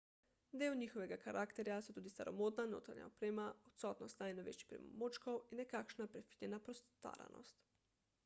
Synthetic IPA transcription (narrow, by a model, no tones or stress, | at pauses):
d̪eːwɲiːxɔʋɛɡakaɾʔaːkt̪ɛɾjasot̪uːd̪ist̪aɾomoːd̪nano̰ːt̪ɾa̰ɲja̰opɾeːmaot̪sɔːt̪nɔst̪najnoʋḛːt͡ʃi̥pɾɛ̰mo̰mot͡ʃkowinɛkakʃnapɾɛfi̥lʲjɛnapɾost̪a̰ːɾa̰no̰st̪